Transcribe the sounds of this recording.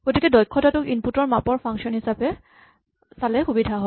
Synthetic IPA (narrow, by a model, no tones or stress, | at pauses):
ɡ̥otikɛdɔjkʰːɔtatʊkinputɔɹmapɔɹpʰaŋsiɔnhisapɛ | salɛxubidʱaɦɔj